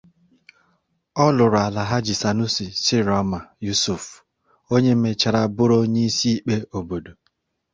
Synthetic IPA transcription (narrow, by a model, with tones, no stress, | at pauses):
ɔ˦lʊ˨ɾʊ˨a˨la˨ɦa˦d͡ʒi˨sa˨nu˦si˨sɪ˦ɾɔ˦ma˨ju˦su˨f | o˦ɲe˦m̩˦me˦t͡ʃa˨ɾa˦bʊ˦ɾo˦ɲe˦i˦si˦i˦k͡pe˦o˨bo˨do˨